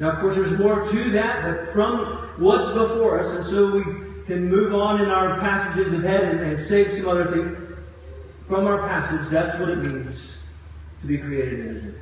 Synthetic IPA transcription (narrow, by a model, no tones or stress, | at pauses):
naʊʌv̥kʰɔɹsðə˞zmɔɹtʰɨðæt̚b̥ʌtfɹʌ̃m | wʌtsb̥əfɔɹʌsɨ̃nsoʊwi | kʰɨ̃nmʉvn̩ɨ̃naʊə˞pʰæsɨd͡ʒɨzʌv̥hɛɾɨ̃nɨ̃nseɪv̥sʌ̃mʌðə˞θɪ̃ŋz | fɹʌ̃maʊə˞pʰæsɨd͡ʒðætswʌɾɨt̚mĩnz̥ | tʰəbikʰɹ̥ieɪɾɨdnɪ̰z